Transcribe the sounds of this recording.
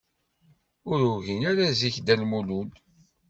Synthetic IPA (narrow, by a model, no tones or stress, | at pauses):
ʊɾuʝinaɾaziçd̪ælmulul